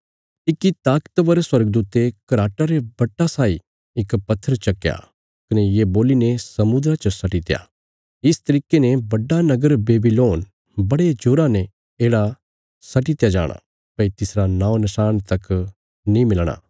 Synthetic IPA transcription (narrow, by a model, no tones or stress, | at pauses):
ɪkit̪aːkt̪ʋɐɾswɐɾɡ̚d̪uːt̪ekɐɾaːʈaɾebɐʈːasaːi | ɪkpɐt̪ʰːəɾt͡ʃɐkːja̰ | kɐnejeboːlinesɐmʊd̪ɾat͡ʃəsɐʈit̪ja̰ː | ɪst̪ɐɾiːkːenebɐɖːanɐɡəɾbeːbiloːn | bɐɽed͡ʒoːɾãnẽ | eːɽa | sɐʈit̪jad͡ʒa̰ːɽ̃a̰ | pɐit̪ɪsɾanãːõnɐʃaːñt̪ɐk | nĩmɪlɽ̃a̰ː